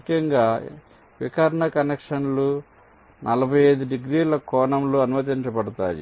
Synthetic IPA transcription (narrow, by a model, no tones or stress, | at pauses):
kʰjɐŋɡaː | ʋikɐɾɐɳɐkɐnekʂɐnlu | nʔɐlɐbʱɐjeːd̪uɖiɡɾiːlɐkɔːɳɐmloɐnumɐt̪̬iɲt͡ʃɐpɐɽut̪aːjḭ